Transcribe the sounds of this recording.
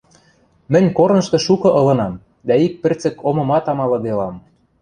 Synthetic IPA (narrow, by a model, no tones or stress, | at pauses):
mɘ̆nʲkornɤ̆ʃt̪ɤ̆ʃukɤ̆ʔɤ̆lɤ̆nɑm | d̪æik̚pɘ̆rt͡sɘ̆komɤ̆mɑt̪ɑmɑlɤ̆d̪elɑm